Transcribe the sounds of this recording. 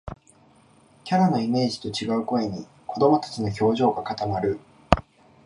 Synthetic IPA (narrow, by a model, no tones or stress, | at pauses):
kʲaɾano̞ime̞ːʑi̥t̪o̞t͡ɕiɡaɯ̟ko̞eɲ̟i | ko̞d̪o̞mo̞t̪ḁt͡ɕino̞ço̞ːʑo̞ːɡakat̪amaɾɯ̟